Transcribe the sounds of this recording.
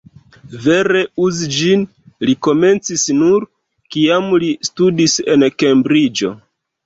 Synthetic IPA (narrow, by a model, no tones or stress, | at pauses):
ve̞ɾe̞uzid͡ʒin | liko̞me̞nt͡sisnuɾ | kiamlistudise̞̰nke̞mbɾid͡ʒo̞̰